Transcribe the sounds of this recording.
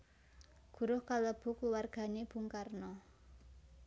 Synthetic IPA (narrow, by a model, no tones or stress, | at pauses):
ɡ̥ṳɾʊhkaləb̥ʊ̤kluwarɡ̥a̤neb̥ṳŋkarnɔ